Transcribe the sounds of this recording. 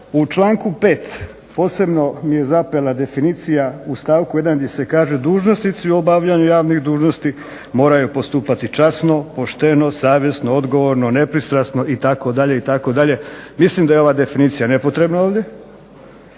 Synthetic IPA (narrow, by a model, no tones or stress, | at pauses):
ut͡ʃlˠaːŋkupe̞ːt̪ | po̞ːse̞bno̞mije̞zapelˠad̪e̞finit̪sijaust̪aːʋkuje̞d̪and̪jese̞kaːʒed̪uːʒnosnit̪siuobaʋʎaɲujaːʋnixd̪uːʒno̞st̪i | mo̞ːɾajupo̞st̪uːpat̪it͡ʃasno̞po̞ʃt̪eno̞saːʋje̞snood̪ɡo̞ʋo̞ɾno̞ne̞pɾist̪ɾasno̞ʔit̪ako̞d̪aʎe̞it̪ako̞d̪aʎe̞mislimd̪ajeo̞ʋaːd̪e̞finiːt̪sijane̞po̞t̪ɾe̞bnao̞ːʋd̪je̞